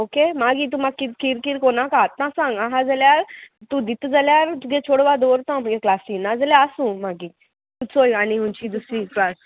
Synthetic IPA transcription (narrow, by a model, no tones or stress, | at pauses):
okemaɡit̪̬ũmakit̪kiɾkiɾkonakat̪ːãsãŋɡaɦãd͡zaljaɾt̪ũd̪it̪d͡zaljaɾt̪uɡẽt͡ɕʰoɽʋad̪oɾt̪ɔ̃məɡẽklasĩnad͡zaljaəsũmaɡi | kut͡sojaniɦũnt͡ɕid̪usĩkɾas